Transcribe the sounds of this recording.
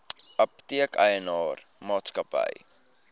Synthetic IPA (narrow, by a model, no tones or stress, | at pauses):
ɐp̚tiəkəjənɑːr | mɑːtskɐpə̰j